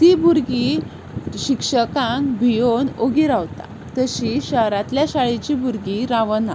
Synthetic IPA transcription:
t̪ibʱuɾɡi | ɕikʂəkãŋkbʱijonoɡiɾaʋt̪a̰ | t̪əɕiɕəɦɾãt̪ljaɕaɭit͡ɕibʱuɾɡiɾaʋəna̰

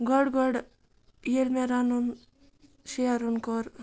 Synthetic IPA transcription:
ɡɔɽɡɔɽ | jelmeɾanun | sijaɾunkɔɾ

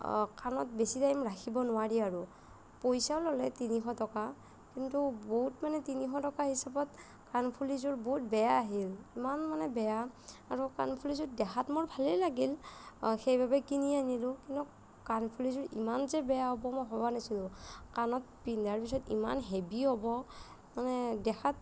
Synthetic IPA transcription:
kanɔt̚besitaimɹakʰibɔnʊwaɹiaɹu | pojsawlɔlɛtinixɔtɔka | kintuboɦutmanɛtinixɔtɔkahisabɔt | kanpʰulizʊɹboɦut̚bɛjaːɦilimanmanɛbɛjaaɹuka̰npʰulizɔdɛxʰatmɔɹbʱalɛlaɡilxejbabɛkinianilʊkintu | kanpʰulizɔɹimanzɛbɛjaɦɔbɔmɔjɦɔbanasilʊkanɔt̚pindaɹpisɔtḭma̰nɦebiɦɔbɔ | manɛdɛxʰat̚

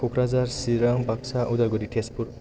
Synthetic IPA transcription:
kʰukʰɾazaɾsiɾaŋbak̚saʔud̪aɡɔɾitʰespuɾ

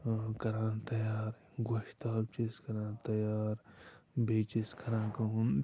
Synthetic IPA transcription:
kɐɾãːnt̪ɐjaːɾ | ɡoʃt̪aːbt͡ʃeskɐɾãːnt̪ɐjaːɾ | bʱeːt͡ʃeskɐɾãːkɐɦũn

